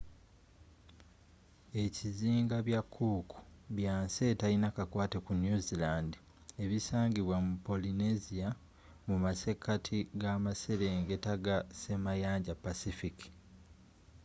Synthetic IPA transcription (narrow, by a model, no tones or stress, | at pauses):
e̞ciziːŋɡaβjakʰːuːku̥βjaːnse̞ːtalinakakwaːtekunjuzilaːndi | eβisaːɲɟiβwamupo̞linezija | mumase̞kːatʰiɡamase̞ɾeŋɡe̞taɡase̞majaːɲɟapːasifiki̥